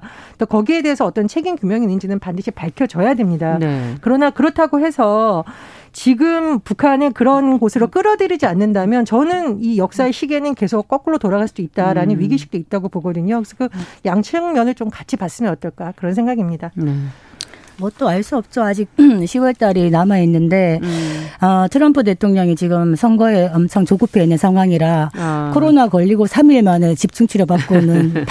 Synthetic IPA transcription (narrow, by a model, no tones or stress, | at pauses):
t͈okʌɡie̞de̞ɦesʰʌːt͈ʌnt͡ɕʰe̞ɡinkjumjʌŋinːɯnd͡ʑinɯnpandɯɕʰipaɭkʰjʌd͡ʑʌjademɲidaekɯɾʌnakɯɾʌtʰaɡoɦe̞sʰʌ | t͡ɕiɡɯmpukʰanɯkɯɾʌnɡosʰɯɾok͈ɯɾʌdɯɾid͡ʑianːɯndamjʌnt͡ɕʌnɯnijʌk̚s͈aeɕʰiɡe̞nɯnke̞sʰok͈̚ːʌk͈ɯɾotoɾaɡaɭs͈uit̚t͈aɾanɯnɥiɡiɕʰik̚t͈oit̚t͈aɡopoɡʌdɯɲosʰkɯjaŋt͡ɕʰɯŋmjʌnɯɭt͡ɕomkat͡ɕʰipas͈ɯmjʌnʌt͈ʌɭk͈akɯɾʌns̬ʰe̞ŋɡaɡimɲidane | mʌt͈oaɭs͈uʌp̚t͡ɕ͈oad͡ʑiɡ̚ɕʰiwʌɭt͈aɾinamainːɯnde̞ | ʌtʰɯɾʌmpʰute̞tʰoŋɲʌŋit͡ɕiɡɯmsʰʌŋɡʌeʌmt͡ɕʰaŋt͡ɕoɡupʰe̞inːɯnsʰaŋɦwaŋiɾakʰoɾonakʌʎːiɡosʰamiɭmanet͡ɕip̚t͡ɕ͈ʰuŋt͡ɕʰuɾjʌbak͈onɯn